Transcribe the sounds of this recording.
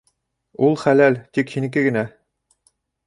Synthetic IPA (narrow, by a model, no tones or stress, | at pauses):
ulˠχælælt̪ikhinɘ̆k̬ɘɡɘ̆næ